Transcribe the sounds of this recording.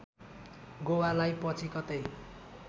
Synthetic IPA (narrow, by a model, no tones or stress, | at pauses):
ɡowalajpʌt͡sʰikʌt̪ej